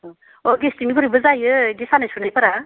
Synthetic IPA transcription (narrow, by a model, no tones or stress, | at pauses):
ɔɡestiŋipʌɾɯjbɯzajɯɡesanasʰunajpʌɾa